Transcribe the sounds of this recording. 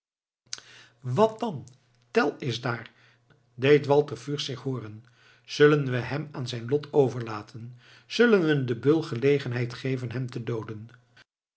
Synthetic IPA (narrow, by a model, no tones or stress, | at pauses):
ʋɑt̚dɑn | tɛlˠɪzdaːɹ | dejtʋɑlˠtəɹfyːɹsɪχɦoːrən | z̥ɵlənʋəɦɛmaːnzɛjnlɔtʰowvəɹlaːtʰən | z̥ɵlənʋədəbɵlˠχəlejχənɦɛjtχejvənɦɛmtədowdən